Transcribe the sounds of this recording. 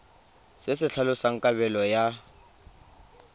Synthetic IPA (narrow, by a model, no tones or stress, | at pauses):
sɪsɪɬʰalʊsaŋ̩kʼaβɛlɔja